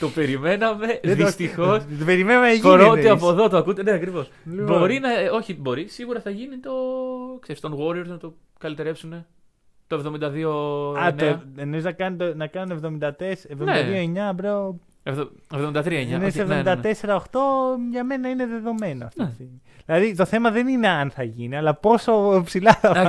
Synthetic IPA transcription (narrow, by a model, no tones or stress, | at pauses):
t̪o̞pe̞ɾime̞nɐme̞ðist̪ixost̪ope̞ɾimenɐmenɐʝoɾot̪eɐpoðo̞t̪oɐkut̪eneɐkɾivo̞s | bo̞ɾinɐo̞çibo̞ɾisiɣuɾɐθɐʝinit̪o̞kseɾist̪onɣoɾioɾznɐt̪o̞ | kɐlit̪e̞ɾe̞psune̞ | t̪oevðomind̪ɐðioɐnoenoiznɐkɐnit̪onɐkɐnunevðo̞mind̪ɐt̪esevðomned̪ɐðio̞eɲɐbɾeo | evevðomind̪ɐt̪ɾiɐeɲɐnesevðomd̪ɐt̪e̞se̞ɾɐoxt̪o̞ʝɐme̞nɐine̞ðe̞ðo̞menoɐft̪ist̪imiðilɐðit̪o̞θe̞mɐðe̞nine̞ɐnθɐʝiniɐlɐpo̞so̞psilɐɐ